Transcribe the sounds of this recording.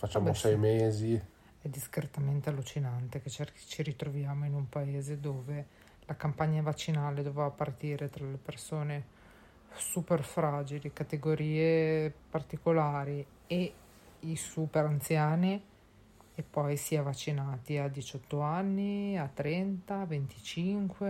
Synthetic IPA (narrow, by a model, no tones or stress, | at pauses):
fat͡ʃːaːmosɛjmezi | ɛd̪iskɾet̪ament̪ealːut͡ʃinant̪eket͡ʃer | t͡ʃiɾit̪ɾovjaːmoinumpaeːzed̪oːve | lakampaɲːavat͡ʃːinaːled̪ovevapart̪iːɾet̪ɾalepersoːne | superfɾaːd͡ʒilikat̪eɡoɾiːepart̪ikolaːɾi | e | isuːpeɾant̪sjaːni | epːɔjsiavat͡ʃːinaːt̪iad̪it͡ʃɔt̪ːoanːiat̪ːɾɛnt̪avent̪it͡ʃiŋkwe